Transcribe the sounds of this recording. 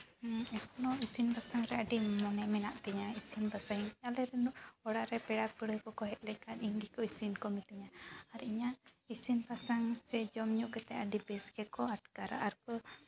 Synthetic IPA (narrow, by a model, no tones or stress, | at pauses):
ɛkʰɔnɔisinbasaŋɾɛaɖimɔnɛmɛnaʔt̪ɛɲaisinbasaŋalɛɾɛnuʔɔɽaɾɛpɛɽak̚bəɽəjkɔkɔɦɛt̪̚ˀlɛkat̪iŋɡikɔisinkɔmit̪iɲaaɾiɲaisinbasaŋsɛd͡ʒɔmɲuʔkɛt̪ɛʔaɖibɛskɛkɔaʈ̚kaɾa̰ʔaɾkɔ